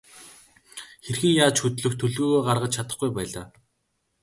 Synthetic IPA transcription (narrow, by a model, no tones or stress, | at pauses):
xerxɘ̆ŋjaːt͡ɕxɵt̪ɮɵ̆xt̪ʰːɵɮɣoːɣoːɢarʁə̆t͡ɕt͡ɕʰat̪ə̆χɡujpæːɮaː